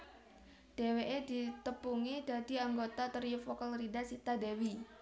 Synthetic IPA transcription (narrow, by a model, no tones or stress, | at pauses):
d̥eweʔed̪̥it̪əpuŋid̥a̤d̪̥i̤aŋɡot̪at̪ərjʊfokəlɾidasit̪adewi